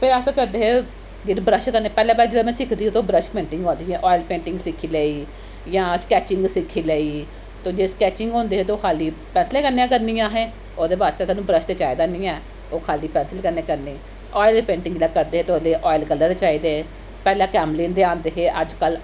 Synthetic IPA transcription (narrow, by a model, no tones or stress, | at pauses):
pʰɪɾəskəɾd̪eːɦeː | ɡɪɾbɾəʃkəɾneːpɛːlɛ̃ːpaːd͡ʒelemɛ̃ːsɪkʰd̪iːeːt̪oːbɾəʃpẽːɳʈɪ̃ŋɡõːnd̪iːãːʔɔːɪlpẽːɳʈɪ̃ŋɡsɪkʰːiːleːiː | jãːskɛːt͡ʃɪŋɡsɪkʰːiːleːiː | t̪õːd͡ʒeːskɛːt͡ʃɪŋɡõːnd̪eːɦeːt̪oːkʰaːliːpɛ̃ːnslẽːkəɾneãːkəɾniːãːɦɛ̃ː | oːd̪eːʋaːst̪eːt̪aːnũːbɾəʃt̪eːt͡ʃaːid̪aːnĩːɛː | oːkʰaːliːpɛ̃ːnslekəɾneːkəɾneː | ɔːɪlpẽːɳʈɪ̃ŋɡlãːkəɾd̪eːɦeːt̪oleːʔɔːɪlkəlːəɾt͡ʃaːiːd̪eː | pɛːlɛ̃ːkɛːmliːnd̪eːãːnd̪eːɦeːʔəd͡ʒkəl